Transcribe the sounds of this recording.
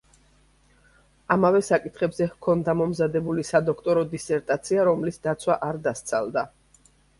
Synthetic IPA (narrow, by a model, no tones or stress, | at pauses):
amavɛsakʼit̪ʰχɛbzɛhkʰɔnd̪amɔmzad̪ɛbulisad̪ɔkʰt̪ʼɔɾɔd̪isɛɾt̪ʼat̪sʰiaɾɔmlisd̪at̪sʰwaʔaɾd̪ast̪sʰa̰lˠd̪a